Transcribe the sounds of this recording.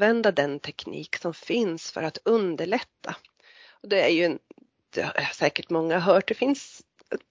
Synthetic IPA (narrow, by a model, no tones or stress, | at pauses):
vɛnd̪ad̪ɛnt̪ʰɛkʰnḭːksɔmfɪnsfœ̰ɾat̪ɵnd̪əɭɛt̪ːa | ɔd̪ɛæɾjɵn | d̪̥ɛ̰hhaʂɛːkəʈmɔŋːaɦœːʈ̚d̪ɛfɪns